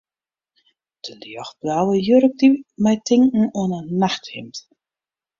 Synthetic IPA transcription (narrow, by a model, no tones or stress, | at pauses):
d̥əliɔxblaːwəjøɾək̚dimɛjtʰɪŋŋ̩ɔənənaxthɪmt